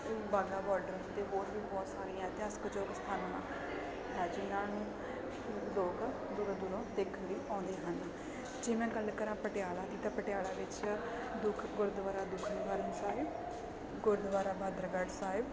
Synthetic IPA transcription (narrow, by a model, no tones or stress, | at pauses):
baːɡaːbɔːlɖəɾt̪eːboːɾʋiːbɔːt̪saːɾiːãːt̪eəsə̥kd͡ʒoːkst̪ʰaːna | ɦɛːd͡ʒɪnãːnũː | loːk | d̪ʊɾd̪ʊɾõːd̪eːkʰənləiːʔãːnd̪eːɦən | d͡ʒeːmɛ̃ːɡəlkəɾãːpəʈɪjaːɭãːd̪iːt̪ãːpəʈɪjaːlaːʋɪt͡ʃ | d̪ʊkʰɡʊɾd̪ʋaːɾaːd̪ʊkʰɾeːʋaːɾənsaːɦɪb | ɡʊɾd̪ʋaːɾaːbaːd̪ɾəɡəɖsaːɪb